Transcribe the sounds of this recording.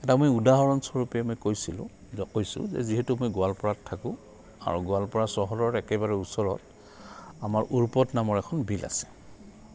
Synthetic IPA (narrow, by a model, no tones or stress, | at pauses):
ɛtamojudaɦɔɹɔnsɔɹupɛmojkojsilʊ̰̃ | kojsʊ̰̃zɛ̰ziɦɛtumojɡʊalpɔɹatʰːakʊ̃ | a̰ɹuɡʊalpɔɹasɔɦɔlɔɹɛkɛbaɹɛusɔɹɔt | amaɹʔuɹpɔtnamɔɹɛkʰɔnbʱilʔa̰sɛ̥